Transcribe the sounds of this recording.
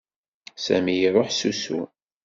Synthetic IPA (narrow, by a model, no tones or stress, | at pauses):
sæmijɾˤoħsusṵ